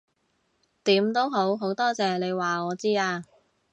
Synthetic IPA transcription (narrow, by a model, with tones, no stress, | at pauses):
t̪iː˨˥mt̪o˥wɦo˨˥wɦo˨˥wt̪ɔː˥t͡sɛː˨le˨˧jwaː˨ŋɔː˨˧t͡siː˥aː˧